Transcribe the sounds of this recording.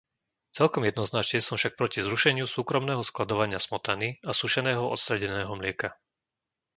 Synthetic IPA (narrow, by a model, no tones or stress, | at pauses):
t͡sɛlkɔmjɛd̪nɔznat͡ʃɲɛsɔmfʃak̚pɾɔcizɾuʃɛɲɪusuːkɾɔmnɛːɦɔsklad̪ɔʋaɲɪasmɔt̪aniasuʃɛnɛːɦɔʔɔ̰t̪st̪ɾɛɟɛnɛːɦɔmlɪɛka